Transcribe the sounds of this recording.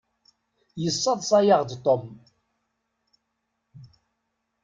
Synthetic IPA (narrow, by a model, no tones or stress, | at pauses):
jəsˤːɑðˤsˤɑjɑʁd̪t̪ˤːom